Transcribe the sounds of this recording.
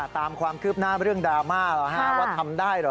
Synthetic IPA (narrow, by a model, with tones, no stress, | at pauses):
t̪aː˧mkʰwaː˧mkʰɯː˥˩p̚naː˥˩ɾɯ˥˩əŋdaː˧maː˥˩lɔ˧˩ɦʰa˦˧˦waː˥˩t̪ʰa˧mdaː˥˩jɾɔ˨˩